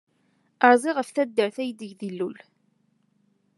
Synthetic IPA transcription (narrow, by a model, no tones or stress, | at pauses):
əɾˤzˤiʁəfθæd̪ːəɾθæjd̪əʝðilːul